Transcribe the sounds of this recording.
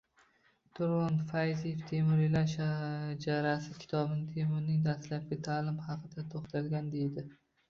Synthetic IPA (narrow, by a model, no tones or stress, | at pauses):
t̪ʰʊɾʁɒnfajzijeft̪ʰemʊɾɪlaʃad͡ʒaɾasɪkʲʰɪ̥t̪ʰɒbɪnɪt̪ʰe̞mʊɾnɪŋd̪aslap̚ɡʲɪt̪ʰaːlɪmhɑqʰɨd̪at̪ʰoχt̪ʰalɡʲand̪e̞jd̪ɪ